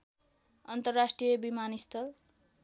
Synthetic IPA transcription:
ʌnt̪ʌrːasʈrijʌbimanist̪ʰʌl

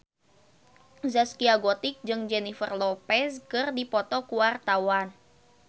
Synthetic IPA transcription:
zaskiaɡɔt̪ɪk̚d͡ʒɨŋd͡ʒɛnifə̰rlɔpɛskɨrdipɔt̪ɔkuwart̪awan

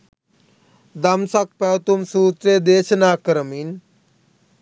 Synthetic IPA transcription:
d̪ɐmsak̚pɛwt̪umsuːt̪ɾed̪eːɕnaːkəɾmiːn

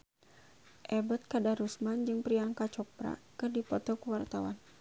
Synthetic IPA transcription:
ʔɛbət̪̚kadaɾusmand͡ʒɨŋpɾiaŋkat͡ʃɔpɾa̰kɨrdipɔt̪ɔkuwart̪awa̰n

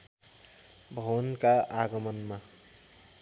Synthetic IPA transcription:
bʱʌnkaaɡəmənma

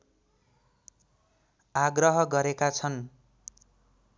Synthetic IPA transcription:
aɡrʌɦʌɡʌɾekat͡sʰʌn

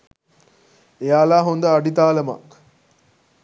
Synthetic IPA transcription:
ejaːlaːɦond̪əaɖit̪aːləma̰k

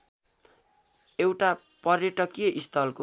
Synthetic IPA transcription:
ewʈa | pʌrjʌʈʌkijʌʔist̪ʰʌlko

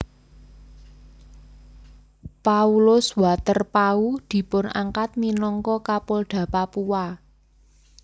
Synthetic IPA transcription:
paulʊswat̪ərpaud̪̥i̤pʊna̰ŋkat̪̚minɔŋkɔkapolɖ̪̥ä̤papuwa

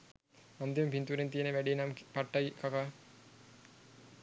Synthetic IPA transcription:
and̪impint̪uɾent̪ijənəʋæɖeːnampaʈːajkaka

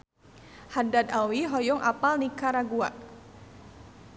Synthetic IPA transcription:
hadad̪awiɦɔjɔŋʔa̰palnikaɾaɡua̰ʔ

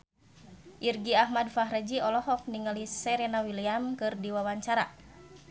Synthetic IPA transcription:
ʔirɡiaɦmadfaɦɾad͡ʒiɔlɔɦɔfniŋalisɛɾenawiliamkɨrdiwawaɲt͡ʃaɾa̰

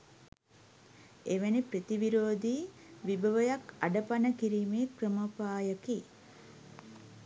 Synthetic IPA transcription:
eʋenipɾət̪iʋiɾoːd̪iː | ʋibəʋəjakaɖəpanəkiɾiːmeːkrəməpaːjəki

